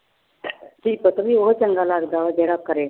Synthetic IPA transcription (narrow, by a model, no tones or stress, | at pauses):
ʈʰiːk̚pət̪əmiːʋoɦot͡ɕəŋɡalaɡd̪aʋəd͡ʑeɽakəɾe